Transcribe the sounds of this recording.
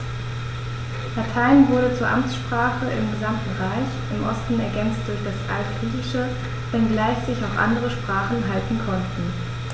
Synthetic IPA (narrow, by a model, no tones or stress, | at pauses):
latʰaɪnvʊɐɾət͡suːɐʔamt͡sʃpʁ̥aːχəʔɪ̰mɡəzamtn̩ʁaɪçʔɪmʔɔ̰stn̩ɛɐɡɛnt͡st̚d̥ʊɐçd̥asʔa̰ltɡ̥ʁ̥iːtɪʃə | v̥ɛnɡlaɪçz̥ɪçaʊxʔa̰ndəʁəʃpʁ̥aːχn̩ɦaltn̩kʰɔntn̩